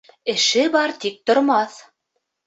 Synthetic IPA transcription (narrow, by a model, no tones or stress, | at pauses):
ɘ̆ʃɘ̆bɑɾt̪ik̚t̪ŏɾmɑθ